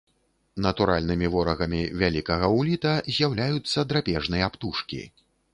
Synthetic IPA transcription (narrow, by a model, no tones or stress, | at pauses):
nɐt̪uɾa̰lʲnɨmʲivɔɾɐɣɐmʲivʲalʲikɐɣɐwlʲit̪ɐzʲjawlʲajut̪sːɐd̪ɾapʲɛʐnɨjɐapt̪uʂkʲḭ